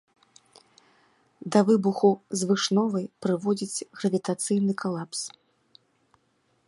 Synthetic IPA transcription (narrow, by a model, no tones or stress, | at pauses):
d̪ɐvɨbuxuzvɨʂnɔvɐjpɾɨvɔd͡zʲit͡sʲɣɾɐvʲit̪at̪sɨjn̪ɨkʰalˠaps